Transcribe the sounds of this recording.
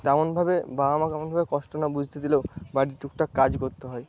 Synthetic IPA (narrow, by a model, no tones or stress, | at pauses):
t̪ɛmonbʱabebamakɛmonbʱabekɔʃʈonabud͡ʑʱt̪ed̪ileobaɽiʈuk̚ʈakad͡ʑkoɾt̪eɦɔe